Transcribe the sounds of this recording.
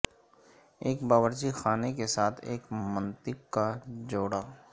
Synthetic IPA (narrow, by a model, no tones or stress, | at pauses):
eːkbaːwəɾt͡ʃixaːnekesaːt̪ʰeːkmə̃nt̪ɪkːad͡ʒoːɽaː